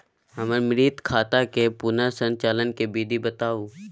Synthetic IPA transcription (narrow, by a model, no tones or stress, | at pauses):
ɦəməɾmɪɾiːt̪kʰaːt̪akepʊnasə̃nt͡ʃaːlənkebiːd̪ʱibət̪aːuː